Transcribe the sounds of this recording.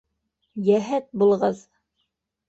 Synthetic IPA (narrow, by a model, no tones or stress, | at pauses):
jæɦæt̪̚bulˠʁɤð